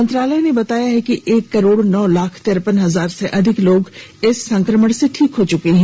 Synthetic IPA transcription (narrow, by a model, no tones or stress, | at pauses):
mɐnt̪ɾaːləjnebɐt̪aːjaɦɛkiʔeːkːɐɾoːɽnɔːlaːkʰt̪ɪɾpənɦɐzaːɾseʔɐd̪ʱɪkloːɡɪsːɐ̃ŋkɾəməɽseʈʰiːkɦot͡ʃʊkeɦɛ̃ː